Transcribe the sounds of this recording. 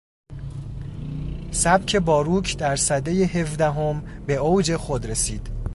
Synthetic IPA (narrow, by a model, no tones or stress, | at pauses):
sæbcʲʰe̞bɒːɾuːkʰd̪æɾsæd̪ejehe̞fd̪æɦo̞mbe̞owd͡ʒe̞xod̪ɾe̞siːd̪̥